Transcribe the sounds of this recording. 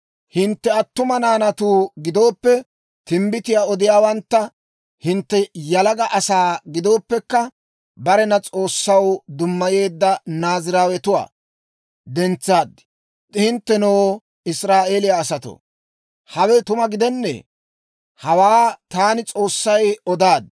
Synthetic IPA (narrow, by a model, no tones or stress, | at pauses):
hɪnt̪ːɛɐt̪ːʊmɐnaːnɐt̪uːɡɪd̪o̞ːpːɛ | t̪ɪmbɪt̪ɪjaːɔd̪ɪjaːwɐnt̪ːɐ | hɪnt̪ːɛjɐlɐɡɐʔɐsaːɡɪd̪o̞ːpːɛkːɐ | bɐɾɛnɐt͡sʼo̞ːsːɐwd̪ʊmːɐje̞ːd̪ːɐnaːzɪɾaːwɛt̪ʊwa̰ː | d̪ɛnt͡sːaːd̪ | hɪnt̪ːɛnoː | ɪsɾaːʔeːlɪjaːsɐt̪o̰ | hɐwɛt̪ʊmɐɡɪd̪ɛnːɛ̰ː | hɐwaːt̪aːnɪt͡sʼo̞ːsːɐjɔd̪aːd̪